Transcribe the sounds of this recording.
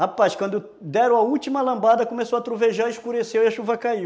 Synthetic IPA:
apaskwɐ̃nd̪ʊ | d̪ɛɾʊ̃ɐut͡ʃimɐlɐ̃mbad̪ɐkomesowɐt̪ɾuveʒaɾiʃkuɾesewiɐʃuvɐkaiw

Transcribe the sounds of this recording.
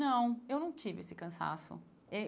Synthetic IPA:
nɐ̃w̃ewnɐ̃w̃t͡ʃivɪesɪkɐ̃sa̰sʊ̰ | e

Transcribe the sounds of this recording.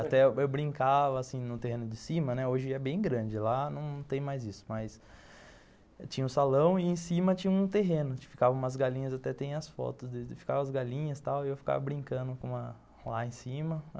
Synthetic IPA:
at̪ɛewbɾĩŋkavɐasĩnʊt̪ehẽnʊd͡ʒɪsĩmɐnɛoʒɪɛbẽj̃ɡɾɐ̃d͡ʒɪlanɐ̃w̃nɐ̃w̃t̪ẽj̃majzisʊ̥mɐjs | t͡ʃĩɲɐʊsalɐ̃w̃ɪẽsĩmɐt͡ʃĩɲɐũt̪eɦẽnʊ̥fi̥kavɐ̃umɐzɡalĩɲɐzat̪ɛt̪ẽjɐsfɔ̰t̪ʊzd̪ɪɪfi̥kavɐɐzɡalĩɲɐst̪awɪewfi̥ka̰vɐbɾĩŋkɐ̃nd̪ʊkõɐ | laẽsĩmɐ

